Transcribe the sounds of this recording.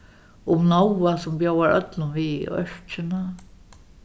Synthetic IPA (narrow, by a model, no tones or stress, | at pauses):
ʊmnɔwasʊmpjawaɹœ̰t̪lʊnviœ̰ɹ̥t͡ʃɪna